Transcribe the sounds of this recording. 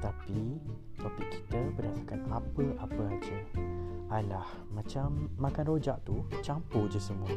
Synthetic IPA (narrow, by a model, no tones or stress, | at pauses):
t̪api | t̪opiʔki̥t̪əbərdasakanapəʔapəad͡ʒə | alah | mãt͡ʃamːakanrod͡ʒaʔt̪ut͡ʃampohd͡ʒəsəmuə